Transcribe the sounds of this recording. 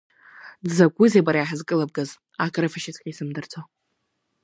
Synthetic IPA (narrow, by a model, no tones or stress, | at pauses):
dzakʷʼʊzebaɾajaħazkʼɨlab̚ɡaz | akʼɾɨfaʃɪt͡sʰʼqʲʼisɨmdɨrt͡sʰa